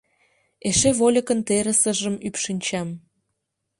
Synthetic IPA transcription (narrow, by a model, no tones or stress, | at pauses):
eʃeβolʲə̆kə̆nt̪eɾə̆səʒəmypʃinʲt͡ɕɑm